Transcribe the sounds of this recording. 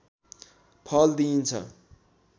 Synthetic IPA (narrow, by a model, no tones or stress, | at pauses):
pʰʌld̪int͡sʰʌ̰